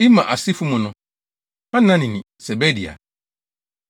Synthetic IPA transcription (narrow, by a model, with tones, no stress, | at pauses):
i˦mã̰˨ʔa˨si˦fu˦mʊ̃˨nʊ̃˨ | ã˦nã˦nɪ̃˨nɪ̃˨sɛ˨bɛ˦di˨a̰˨